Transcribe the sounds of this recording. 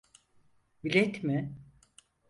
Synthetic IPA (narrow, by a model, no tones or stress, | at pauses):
bilʲɛt̪mɪ